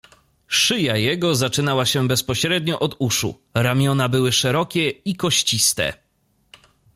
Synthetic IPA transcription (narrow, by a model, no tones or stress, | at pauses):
ʂɘjajɛɡɔzat͡ʂɘnawaɕɛbɛspɔɕɾɛd̪ɲɔʔɔd̪uʂṵ | ɾamʲjɔnabɘwɘʂɛɾɔkʲɛikɔɕt͡ɕist̪ɛ̰